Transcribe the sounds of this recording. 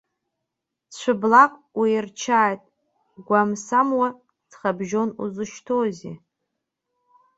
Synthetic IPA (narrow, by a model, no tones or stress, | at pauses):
t͡ɕʷʰɨblaqʼwirt͡ʃʰaːjtʼ | ɡʷamsamwa | d͡zχabʒo̞nṵzɨʃtʰozḛ